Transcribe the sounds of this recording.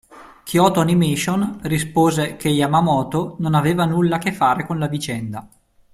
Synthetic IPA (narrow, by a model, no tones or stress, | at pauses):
kjɔːt̪oanimiʃonrispoːzekejamamɔːt̪ononaveːvanulːak̟efːaːɾekonlavit͡ʃɛnd̪a